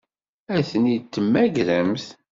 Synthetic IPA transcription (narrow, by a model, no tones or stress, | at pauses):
æθənit̪ːəmːæɡɾəmθ